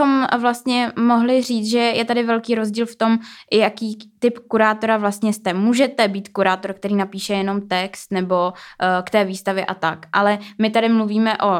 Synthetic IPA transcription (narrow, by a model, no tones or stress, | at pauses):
xomvlast̪ɲɛmoɦlɪriːt͡sʒɛjɛt̪adɪvɛlkiːɾozɟiːlft̪o̞mʔɪjakiːt̪ɪpkuɾaːt̪o̞ɾavlast̪ɲɛst̪ɛmuːʒɛt̪ɛbiːt̪kuɾaːt̪o̞ɾk̚t̪ɛɾiːnapiːʃɛjɛno̞mt̪ɛkst̪nɛbo̞kt̪ɛːviːst̪avjɛʔat̪akʔalɛmɪt̪adɪmluviːmɛʔo̞